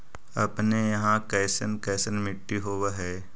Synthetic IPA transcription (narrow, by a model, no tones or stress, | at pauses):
ɐpnejɐɦãkɛːsənkɛːsənmɪʈːiɦoːʋɦɛː